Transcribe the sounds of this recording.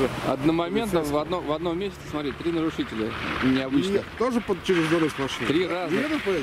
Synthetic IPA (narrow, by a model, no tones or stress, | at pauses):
ɨɐ̰d̪nəmɐmʲent̪navɐd̪novɐd̪nomːʲesʲɪt̪səsmɐt̪ɾit̚ʲt̪ɾʲinəɾʊʂɨtʲɪlʲənʲɪɐbɨt͡ɕnət̪oʐɨpət͡ɕɪɾʲɪzɡoɾəsʲt̪nɐʂlʲit̪ɾʲirazet̪ə